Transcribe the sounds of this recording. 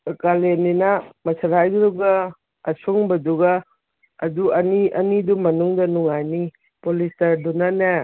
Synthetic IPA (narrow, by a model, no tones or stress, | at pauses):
kaleninɐmɐsʰaɾajɡɾuɡa | ɐsuŋbɐduɡa | ɐduɐniɐnidumɐnuŋdɐnuŋajni | polistɐdunanɐ